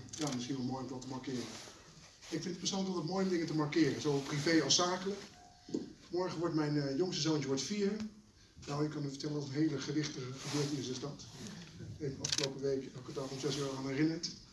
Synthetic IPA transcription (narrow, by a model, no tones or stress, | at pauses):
jaːmɪsxiənʋɔlˠmojʊmdɔtəmaɹkɪːrə | ɪkfɪntət̚pəsɔnəɔtətmoːjʊmdɪŋətəmarkɪːrəzolˠpriveːɔsaːkələk | mɔɹχənʋɔɹtmɛjnjoŋsəzoːnt͡ʃəʋɔɹtfiərə | nawɪkːɑnəfəɹtɛlənɔtənɦeːləχədɪxtəəχəbøːətiɪsəstɑt | efɑfχəlowpəʋejkkətaɔmsɛsʋɛlˠaːnɛrɪnənt